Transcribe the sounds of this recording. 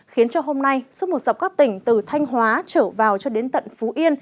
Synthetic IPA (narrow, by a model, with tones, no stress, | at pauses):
xi˨˦ənt͡ɕɔ˧ɦo˧mna˧jswu˦˥t̚mo˨˩t̚za˨˩wk͡p̚kaː˦˥k̚t̪ï˧˩ŋ̟t̪ɨ˨˩t̪ʰa˧jŋ̟ɦwaː˨˦t͡ɕəː˧˩vaː˨˩wt͡ɕɔ˧ɗe˨˦nt̪ə̰˧˨nfu˨˦ʔi˧ən